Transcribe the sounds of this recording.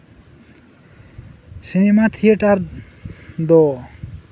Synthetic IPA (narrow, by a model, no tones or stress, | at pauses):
sinemat̪ʰieʈaɾ | d̪ɔ